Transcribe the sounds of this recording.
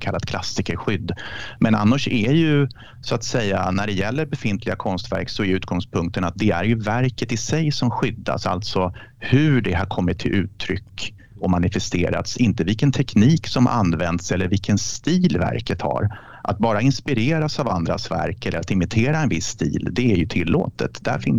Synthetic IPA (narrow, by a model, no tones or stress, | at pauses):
kʰalːad̪̚kʰlasɪkəɾɧʏd̪ːmɛna̰nːaʂɛjɵ | sɔat̪sɛjːanæɖɛjɛlːəɾbɛfɪnt̪ʰlɪɡakʰɔnst̪væ̰ɾksɔɛɾjʉ̟ːt̪ɡɔŋspʰɵŋk̚t̪ənat̪̚d̪ɛæɾjɵvæɾkət̪ɪsɛjsɔmɧʏd̪ːa̰sa̰lt̪sɔ | hɵɖɛhaɾkʰɔmːɪt̪ʰːɪlʉ̟ːt̪ʰːɾʏkː | ɔmanɪfɛst̪eːɾa̰t̪sɪnt̪əvɪlkənt̪ʰɛkniːksɔmʔa̰nːvɛnd̪sɛlːəɾvɪlkənst̪iːlvæ̰ɾkət̪ha̰ɾ | ʔat̪̚bɑːɾaɪnspɪɾeːɾasava̰nd̪ɾa̰svæ̰ɾkɛlːəɾat̪ɪmɪt̪ʰeːɾaɛnvɪsːt̪ḭːld̪ɛæɾjɵt̪ʰɪlːo̰ːt̪ə̰t̪d̪æ̰ɾfɪn